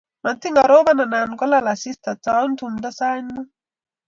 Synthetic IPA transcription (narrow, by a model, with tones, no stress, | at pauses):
ma˨nt̪i˦ŋɡa˨ɾoː˦βana˨na˨nɡɔ˦la˦la˨si˦st̪a˨t͡sau˦nt̪umd̪a˦saː˦ɲnu˦